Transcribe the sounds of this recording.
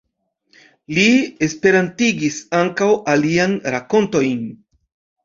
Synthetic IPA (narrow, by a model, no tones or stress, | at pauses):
lie̞spe̞ɾantiɡisaŋkawalianɾako̞nto̞jn